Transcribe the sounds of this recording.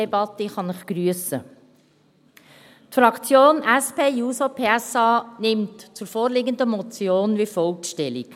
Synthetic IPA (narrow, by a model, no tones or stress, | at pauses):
ɛbɑt̪əχɑnɪχɡ̥ɾyəsə | tfɾɑkt͡sjoːnʔɛspeːjuːsopʰeːɛsɑːnɪmtt͡sʊɾfoːɾlɪɡənd̪əmɔt͡sjoːnʋifɔlkʃtɛlḭk